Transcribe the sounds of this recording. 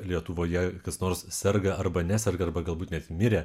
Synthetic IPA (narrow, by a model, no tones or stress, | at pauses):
lʲiɛt̪ʊʋoːjɛkɐsnoːɾssʲɛrɡɐɐrbɐnʲæsʲɛɾɡɐɐrbɐɡɐlˠbuːt̪nʲɛt̪ʲmʲɪɾʲeː